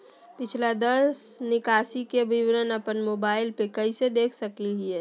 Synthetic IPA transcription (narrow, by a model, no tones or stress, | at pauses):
pɪt͡ʃʰlad̪əsnɪkaːsikebʱiʋɾənəpənmoːbaːɪlpekəised̪eːkʰsəkiɦiɛː